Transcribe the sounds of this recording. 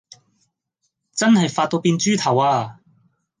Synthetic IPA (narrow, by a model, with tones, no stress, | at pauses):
t͡sɐ˥nhɐ˨jfaː˧t̚t̪o˧piː˧nt͡ʃyː˥t̪ʰɐ˨˩waː˧